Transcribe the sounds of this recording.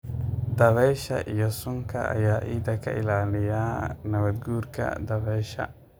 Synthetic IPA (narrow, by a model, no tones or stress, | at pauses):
d̪ɐβɛːʃɐ̰ʔijɔsʊŋkʰɐ̰ʔɐ̰jaːʔiːd̪ɐkʰɐ̰ʔɪ̰laːlɪjaːnɐβɐd̪ɡuːrkʰɐ̰d̪ɐβɛːʃɐ̰